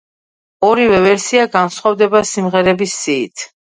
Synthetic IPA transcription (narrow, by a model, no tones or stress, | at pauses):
ɔɾivɛvɛɾsiaɡansχwavd̪ɛbasimʁɛɾɛbisːiːt̪ʰ